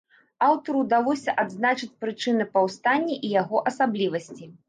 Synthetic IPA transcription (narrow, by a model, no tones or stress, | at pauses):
awt̪ɐɾud̪alˠɔsʲɐʔad̪znat͡ʂɨt͡sʲpɾɨt͡ʂɨnɨpawst̪anʲːɛʔijaɣɔʔɐsablʲivɐsʲt͡sʲi